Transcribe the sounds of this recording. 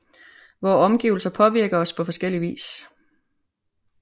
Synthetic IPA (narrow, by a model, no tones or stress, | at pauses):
ʋɒːɒ̽mɡ̥iːʊl̩sɐpʰɒ̽ʋiɐɡ̥ɐɒ̽spʰɒ̽fɒ̽sɡ̥el̰iʋḭːs